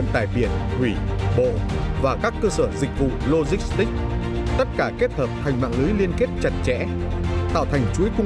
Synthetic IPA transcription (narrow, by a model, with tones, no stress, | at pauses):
nt̪a̰ː˧˨jɓi˧˩ənhwi˧˩ɓo̰˧˨vaː˨˩kaː˦˥kːəː˧səː˧˩zï˨˩k̟̚vṵ˧˨lo˧zï˦˥k̚st̪ï˦˥k̟̚ | t̪ə˦˥t̚kaː˧˩ke˦˥t̚t̪ʰəː˨˩p̚t̪ʰa˨˩jŋ̟ma̰ː˧˨ŋlɨː˨˦jli˧ənke˦˥t̚t͡ɕa˨˩t̚t͡ɕɛ̰˧˥ | t̪aː˧˩wt̪ʰa˨˩jŋ̟t͡ɕu˨˦jkʊ˧